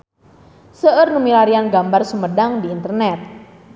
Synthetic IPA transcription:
səʔərnumilaɾianɡambarsumədaŋdiːnt̪ərnɛt̪̚

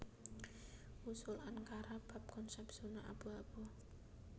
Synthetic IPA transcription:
usʊlankaɾab̥a̤p̚kɔnsɛpsunaʔa̰b̥uab̥ɔ

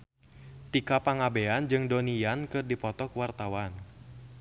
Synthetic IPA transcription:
t̪ikapaŋabeand͡ʒɨŋdɔnijankɨrdipɔt̪ɔkwart̪awan

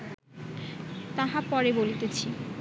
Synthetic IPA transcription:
t̪aɦapɔɾebolit̪et͡ɕʰi

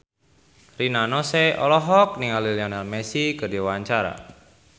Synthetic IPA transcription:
rinanɔseɔ̰lɔɦɔk̚niŋaliliɔnɛlmɛsikərdiwaɲt͡ʃaɾa̰

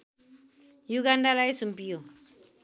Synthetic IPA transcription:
juɡandalaisumpijo

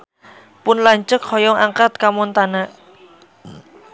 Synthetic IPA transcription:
pʊnlaɲt͡ʃəkhɔjɔŋaŋkat̪̚kamɔnt̪anaʔ

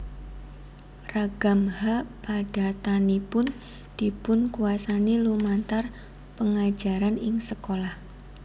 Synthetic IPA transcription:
raɡ̥a̤mhapaɖ̥a̤t̪anipʊn | d̪̥i̤pʊnkuasanilumant̪ar | pəŋḁd͡ʒa̤ɾanɪŋsəkolah

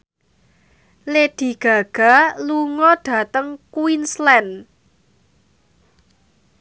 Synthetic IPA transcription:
led̪̥i̤ɡ̥a̤ɡ̥a̤luŋɔɖ̥ä̤t̪əŋkwinslɛn

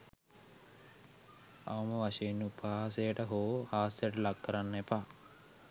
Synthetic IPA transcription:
ɐ̰ʋɐmɐʋɐʃejinupɐɦaːsejəʈəɦoːhaːsejəʈəlakːɐɾanːepaː

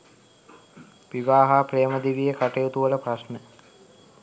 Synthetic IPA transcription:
ʋiʋaːɦaːprejəməd̪iʋijekaʈejut̪uʋələprasnə

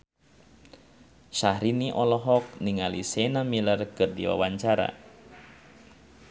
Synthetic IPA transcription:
ʃahɾiniʔɔlɔɦɔk̚niŋalisɛnamilərkɨrdḭwa̰waɲt͡ʃaɾa̰

